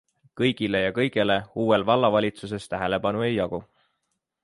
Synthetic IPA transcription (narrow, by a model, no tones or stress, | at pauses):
kɤjɡ̥ile̞jɑkɤjɡ̥e̞le̞uːwe̞lvɑlːɑvɑlʲit̪sus̬e̞st̪æɦe̞le̞pɑnue̞jjɑɡ̥u